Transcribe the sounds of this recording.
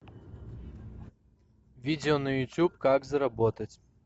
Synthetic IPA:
vʲidʲɪɔnəjʊtʲupkakzɐɾɐbɔt̪ət͡sʲ

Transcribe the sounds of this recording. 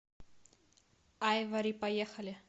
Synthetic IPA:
ajvɐɾʲipajexɐlʲɪ

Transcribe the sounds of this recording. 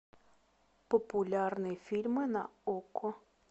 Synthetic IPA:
pɔpʊlʲarnɨfʲilʲmɨnɐɔkɔ

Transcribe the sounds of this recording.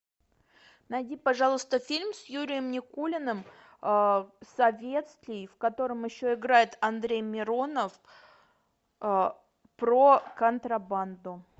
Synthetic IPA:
nɐjdʲipɐʐɑlˠəst̪əfʲilʲmsjuɾʲɪjəmnʲɪkulʲɪnɨm | əsɐvʲe̞t̪st̪lʲɪjfkɐt̪o̞ɾəmjɪɕːoɪɡɾajɪt̪ɐnd̪ɾʲejmʲɪɾo̞nəf | pɾokənt̪ɾɐband̪ʊ

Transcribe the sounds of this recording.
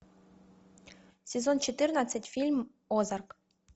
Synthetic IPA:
sʲezont͡ɕet̪ɨrnat̪t͡sːətʲfʲilʲm | ozɑrk

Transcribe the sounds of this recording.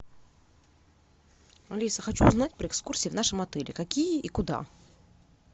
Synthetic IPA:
ɐlʲisəxɐt͡ɕuːznatʲpɾʲəɛkskursʲiːvnaʂɨmɐt̪ɛlʲɪ̰kɐkʲijəʔikʊd̪a̰

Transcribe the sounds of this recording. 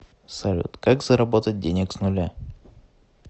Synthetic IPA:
sɐlʲṵt̪kakzəɾɐbo̞t̪ət̚ʲdʲenʲɪksnʊlʲa

